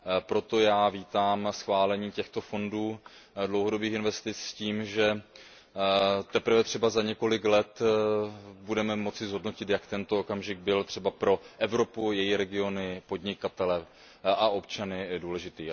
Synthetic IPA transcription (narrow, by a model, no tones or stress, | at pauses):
pɾo̞t̪o̞jaːviːt̪aːmsxvaːlɛɲiːcɛxt̪o̞fo̞nduːdlowɦo̞dobiːxɪnvɛst̪ɪt͡ssciːmʒɛ | t̪ɛpɾ̩vɛt̪r̝̥ɛbazaɲɛko̞lɪklɛt̪ | budɛmɛmo̞t͡sɪzɦo̞dno̞cɪt̪jakt̪ɛnt̪ookamʒɪɡ̚bɪlt̪r̥ɛbapɾo̞ʔɛvɾo̞pujɛjiɾɛɡɪo̞nɪpo̞dɲɪkat̪ɛlɛ | ʔaʔo̞pt͡ʃanɪduːlɛʒɪt̪iː